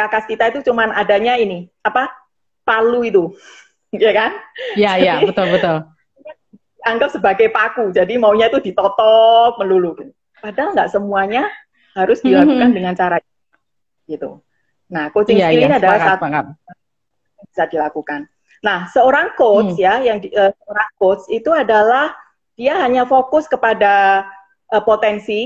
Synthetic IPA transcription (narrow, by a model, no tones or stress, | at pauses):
kakaskit̪ait̪ut͡ʃumanadaɲaini | apa | paluit̪u | jakanjaaəbət̪ʊl | a | d̥iaŋɡap̚səbaɡajpakud͡ʒadimauɲait̪udit̪ɔt̪ɔp̚mənluluɡ̥it̪u | padalŋɡaʔsəmuaɲa | haɾʊsd̥ilakukandəŋant͡ʃaɾa | ɡ̥it̪ṵ | nahkot͡ʃɪŋsiliadalahaa | aŋb̥isadilakukanː | ahsəoɾaŋkot̪sjajaŋdiəsəoɾaŋkot̪sit̪uadalah | d̥iaɦaɲafokʊskəpada | ʔəpot̪ɛnsi